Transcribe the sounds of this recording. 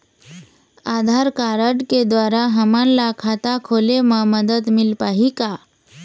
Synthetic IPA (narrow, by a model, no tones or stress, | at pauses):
ad̪ʱaɾkaɾəʈked̪ʋaɾaɦəmanlakʰat̪akʰoleməməd̪ət̪milpaɦika